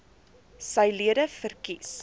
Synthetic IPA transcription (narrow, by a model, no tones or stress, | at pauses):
səjliədəfərkis